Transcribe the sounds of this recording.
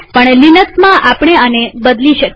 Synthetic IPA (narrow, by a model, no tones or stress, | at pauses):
pəɳlinəksmãʔapɳ̃eənebəd̪liʃək